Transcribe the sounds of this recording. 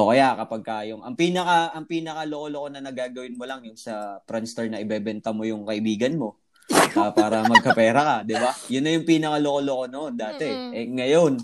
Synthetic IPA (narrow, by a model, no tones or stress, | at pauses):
ʔokɐjakɐpɐɡ̚kɐjʊŋʔɐŋpiːnɐkaɐŋpiːnɐkɐlokolokonɐnɐɡaːɡɐwɪnmo̞lɐŋjʊŋsɐp̪ɾanst̪ɛɹnɐʔɪbɛbɛnt̪ɐmo̞jʊŋkɐʔɪbiːɡɐnmo̞ | ʔɐpaːɾɐmɐɡ̚kɐpɛːɾɐkɐd̪ɪbajʊnːɐjʊŋpiːnɐkalokoloko̞noʔond̪aːt̪ɛʔɛŋɐjon